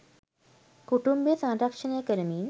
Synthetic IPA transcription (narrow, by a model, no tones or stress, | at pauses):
kuʈumbesãŋɾakʂənajkəɾəmiːn